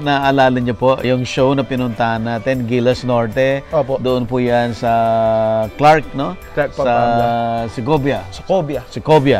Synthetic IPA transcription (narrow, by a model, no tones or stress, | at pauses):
naʔalaːlɐɲɲʊpoʔjʊŋʃownɐpɪnʊnt̪aːnɐt̪ɛnɡilɐsnoɹt̪ɛopod̪ʊʔʊnpʊjansɐ | klaɾk̚no | sɐ | sɪɡobjɐsɐkobjasɪkobjɐ